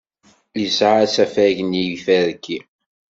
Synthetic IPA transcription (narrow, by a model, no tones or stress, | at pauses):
lsʕat͡sːæfæʝnijifæðkʰːi